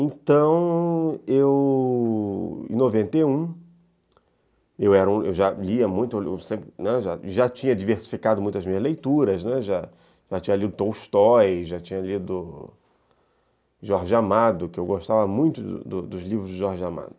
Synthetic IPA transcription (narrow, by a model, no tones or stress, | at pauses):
ẽt̪ɐ̃w̃ew | ḛ̃novẽnt̪ejũ | ewɛɾɐũḛwʒaliɐmũj̃t̪ʊewsẽpɾɪnɛʒa̰ʒat͡ʃĩɲɐd͡ʒiveɾsi̥fikad̪ʊmũj̃t̪ɐzmĩɲɐzlejt̪uɾɐznɛʒa | ʒ̥at͡ʃĩɲɐlid̪ʊt̪owʃt̪ɔjʒat͡ʃĩɲɐlid̪ʊ | ʒɔɾʒɪamad̪ʊkɪewɡoʃt̪avɐmũj̃t̪ʊd̪ʊ̰d̪ʊd̪ʊzlivɾʊzd͡ʒɪʒɔɾʒama̰d̪ʊ